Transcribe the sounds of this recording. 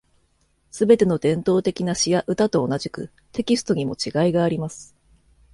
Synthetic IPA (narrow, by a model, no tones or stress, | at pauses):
sɨbe̞t̪e̞no̞d̪ẽ̞nt̪o̞ːt̪e̞kʲinaɕijaʔɯ̟t̪at̪o̞ːnaʑikɯ̟̰ | t̪e̞kʲisɨ̥t̪o̞ɲ̟imo̞̰t͡ɕiɡaiɡaːɾʲimasɨ̥